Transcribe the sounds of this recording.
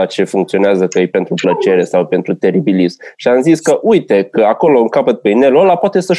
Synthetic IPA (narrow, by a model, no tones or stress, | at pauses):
at͡ʃe̞fuŋkt̪sio̞neazəkəjpe̞nt̪ɾuplət͡ʃe̞ɾe̞sawpe̞nt̪ɾut̪e̞ɾibilizmʃiamziskəʔujt̪e̞kəako̞louŋkapət̪̚penelolapoat̪e̞sə